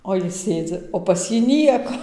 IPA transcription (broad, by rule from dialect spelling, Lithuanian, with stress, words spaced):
oː ˈjɪs ˈsʲeːd͡zʲɪ oː pɐs ˈjiː ˈnʲiɛkoː